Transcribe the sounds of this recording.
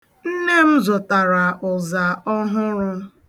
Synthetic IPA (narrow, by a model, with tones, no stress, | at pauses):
n̩˦ne˦m̩˦zʊ˨ta˨ɾa˨ʔʊ˨za˨ɔ˦ɦʊ˦ɾʊ˧˦